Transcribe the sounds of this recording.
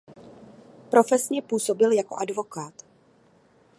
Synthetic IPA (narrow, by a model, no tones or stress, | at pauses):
pɾo̞fɛsɲɛpuːso̞bɪljako̞̰ʔadvo̞kaːt̪